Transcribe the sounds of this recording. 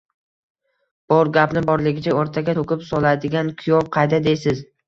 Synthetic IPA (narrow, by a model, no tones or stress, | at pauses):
b̥ɒɾɡʲapnɪbɒɾlɪɡʲɪt͡ʃʰaoɾt̪ʰaɡʲaokʲɪpsɒlˠad̪ɪɡʲankʰʊjɒvqʰɑjd̪ad̪ejsɪz